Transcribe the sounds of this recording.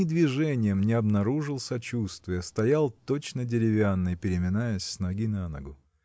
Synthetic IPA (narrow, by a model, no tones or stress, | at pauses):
ɪd̪vʲɪʐɛnʲɪjəmnʲɪɐbnɐɾuʐɨlˠsɐt͡ɕust̪vʲɪjəst̪ɐjalˠt̪o̞t͡ɕnədʲɪɾʲɪvʲanːɨjpʲɪɾʲɪmʲɪnajəsʲsʲnɐɡʲinanə̰ɡʊ